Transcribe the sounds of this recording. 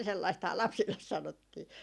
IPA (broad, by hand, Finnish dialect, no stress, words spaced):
selːɑisthɑː lɑpsilːes sɑnotːiː